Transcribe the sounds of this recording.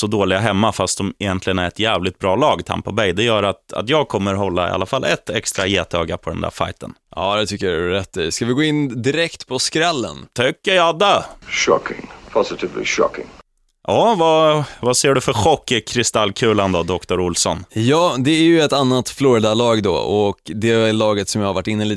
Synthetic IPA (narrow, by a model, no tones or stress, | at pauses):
sɔd̪oːlɪɡaɦɛmːafast̪̚d̪ɔmɛjɛnt̪lɪɡənæɾɛt̪jæːvlɪt̪̚bɾɑːlɑːɡt̪ʰa̰mpabɛjd̪ɛjœːɾat̪a̰t̪jɑːɡ̚kʰɔmːəɾɦɔlːa̰ɪ̰ʔa̰lːafalːʔɛt̪ɛkst̪ɾajeːt̪øːɡapʰɔd̪ɛ̰nd̪æ̰ːɾfa̰jt̪ə̰nʔɑ̰ːd̪ɛt̪ʰʏkːəjaɾɛt̪ːɛskavɪɡoːɪnd̪ɪɾɛkt̪pʰɔskɾɛlːə̰nt̪ʰʏkːəjɑd̪əʃɑ̰kʰɪ̰̃ŋpʰɑzɪtɪvlḭʃɑ̰kɪ̰̃ŋ | jɑːvavaseːɖɵfœɾɧɔkːɪkʰɾɪst̪alːkʰʉ̟ːland̪ɔd̪ɔkt̪ʊɾʊlsɔnjɑːd̪ɛæɾjɵɛt̪anːat̪floːɾɪd̪alɑːɡd̪ɔ̰ɔkd̪ɛlɑːɡət̪sɔmjaːhaɾvaʈːɪnːəliːt̪